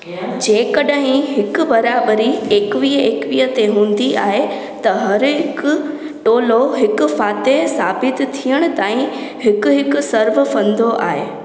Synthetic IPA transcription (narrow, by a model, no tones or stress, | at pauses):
d͡ʑẽːkɐɗɦɪ̃ɦɪkʊ̆bɐɾaːbəɾieːkʋieːkʋiːət̪eɦũːn̆d̪iʔaːɦe | t̪ɐɦɐɾɦɪkʊ̆ | ʈoːloɦɪkʊ̆faːt̪esaːbɪt̪t̪ʰːijəɽ̃ʊ̆t̪aːĩhɪkʊ̆ɦɪkʊ̆sɐɾʋɪ̆fɐ̃nd̪oʔa̰ːɦeː